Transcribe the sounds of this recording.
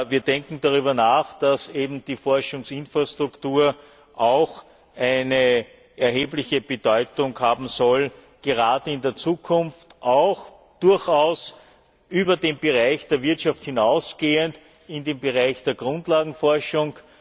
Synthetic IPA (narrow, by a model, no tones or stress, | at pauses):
viːɐdɛŋkŋ̩d̥aʁ̞yːbɐnaːxd̥aseːbm̩d̥iːfɔɐʃʊŋsɪnfʁastʁ̥ʊktuːɐ | ʔaʊx | ʔæɪnə | ʔɛɐɦeːblɪçəb̥əd̥ɔʏtʊŋhaːbm̩sɔl | ɡ̥əʁaːdəɪndeːɐt͡suːkʰʊnftʔaʊx | d̥ʊɐçaʊs | ʔyːbɐdeːmbəʁaɪçd̥eːɐvɪɐtʃafthɪnaʊsɡ̥eːənt | ɪndeːmbəʁaɪçd̥eːɐɡ̥ʁʊ̃ntlaːɡŋ̩fɔɐʃʊŋ